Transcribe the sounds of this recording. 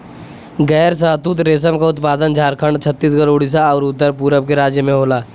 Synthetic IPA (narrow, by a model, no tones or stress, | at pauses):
ɡɛːɾsaːt̪uːt̪ɾeːs̬əmkaʊt̪paːd̪ənd͡ʒʱaːɾkʰəɳɖt͡ʃʰət̪ːiːskəɾoːɽis̬aɔːɾʊt̪ːəɾpuːɾəbkeɾaːd͡ʒjəmẽɦoːlaː